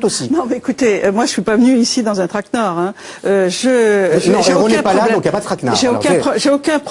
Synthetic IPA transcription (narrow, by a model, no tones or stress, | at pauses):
osinɔ̃mɛekut̪eømwaʒəsɥipavənyisid̪ɑ̃zɛ̃t̪χaknɔʁɛ̃ | øʒəʒeõnɛ̃plladɛɔ̃kiljapad̪ət̪χakna̰ʒeoɔ̰kɛ̃ɔʒeokʲɛ̃p